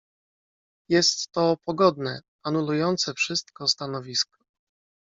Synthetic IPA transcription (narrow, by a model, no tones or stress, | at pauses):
jɛst̪ːɔpɔɡɔd̪nɛ | anulujɔnt̪sɛfʂɘst̪̚kɔst̪anɔvʲiskɔ̥